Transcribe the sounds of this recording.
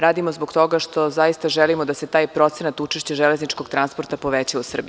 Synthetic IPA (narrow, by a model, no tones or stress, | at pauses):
ɾaːd̪imozbo̞ɡ̥t̪o̞ɡaʃt̪o̞zajist̪aʒelimod̪ase̞t̪aːjpɾo̞t̪senat̪ut͡ʃeʃt͡ɕeʒele̞znit͡ʃko̞ɡt̪ɾanspo̞ɾt̪apo̞ʋet͡ɕausr̩bi